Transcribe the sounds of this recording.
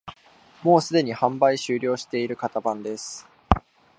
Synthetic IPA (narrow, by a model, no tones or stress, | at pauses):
mo̞ːsɨd̪e̞ɲ̟ihãmbaiɕɨːɾʲo̞ːɕi̥t̪e̞iɾɯ̟kat̪abãnd̪e̞sɨ̥